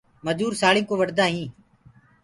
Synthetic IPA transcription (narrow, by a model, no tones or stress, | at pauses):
məd͡ʒuːɾsaːɭĩːkoːʋəɽd̪aːɦĩː